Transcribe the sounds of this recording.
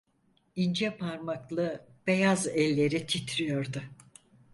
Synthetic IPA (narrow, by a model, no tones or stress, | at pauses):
ind͡ʒɛpʰaɾmaklˠɯ | b̥e̞jazɛlʲːe̞ɾit̪ʰit̪ʰɾijo̞ɾd̪ʊ